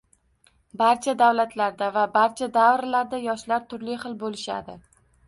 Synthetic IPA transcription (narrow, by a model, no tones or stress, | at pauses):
baɾt͡ʃʰad̪awlat̪ʰlaɾd̪avabaɾt͡ʃʰad̪avɾlaɾd̪ajɒʃlaɾt̪ʰʊɾlɪχɨlˠbolɪʃa̰d̪ɪ